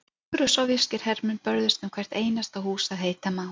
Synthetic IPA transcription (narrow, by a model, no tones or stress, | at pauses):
ʏɾʏsawvɪscɪɾ̥hɛɾmʏnpœɾðʏst̪ʏmkʰvɛjr̥t̪eːjnast̪ahuːsaðɦeːjt̪amaː